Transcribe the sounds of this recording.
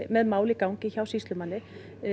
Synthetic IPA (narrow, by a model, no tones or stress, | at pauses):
mɛðmaːwlɪkawŋcɪçawsist̪lʏmanːɪ